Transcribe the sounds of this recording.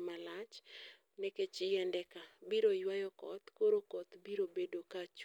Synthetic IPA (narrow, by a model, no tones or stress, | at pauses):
malat͡ʃ | nɛket͡ʃɪjɛndɛkabiɾojwajɔkɔ̰t̪koɾokɔt̪biɾobedokat͡ʃ